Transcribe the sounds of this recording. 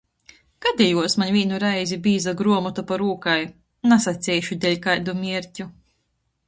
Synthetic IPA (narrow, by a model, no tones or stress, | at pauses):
ɡ̥ad̪ʲɛjuɔsmaɲvʲiːnuɾajzʲibiːzaɡɾuɔmɔt̪apaɾuːkaj | nasat̪sʲɛjʃud̪ʲɛlʲkajd̪umʲiɛɾcʲu